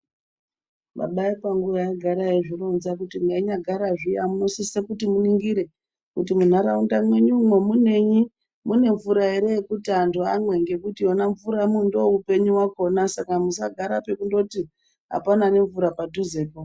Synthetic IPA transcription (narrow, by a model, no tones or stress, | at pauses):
ma̰ɓaipaŋɡuʋajaɡʱaɾaeʐironzakutiŋeiɲaɡʱaɾaʐijamusise̞kutimuniŋɡiɾe̞ | kutimun̤aɾaundamwe̞ɲumwemune̞ɲi | mune̞ɱvuɾaeɾe̞ekutandoamwe̞ŋɡe̞kutijo̞naɱvuɾamundo̞upe̞ɲuwako̞nasakamusaɡʱaɾape̞kundo̞ti | ɦa̰panane̞ɱvuɾapadʱuze̞ːko